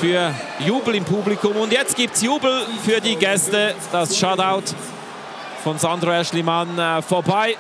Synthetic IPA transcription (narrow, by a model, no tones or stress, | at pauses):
fyːɐjuːbl̩ɪmpʰublikʊmʊndjɛt͡st̚ɡ̥iːp̚t͡sjuːbl̩fyːɐdiːɡɛstəd̥asʃataʊt | fɔnzandʁoɛʃlimanfɔɐbaɪ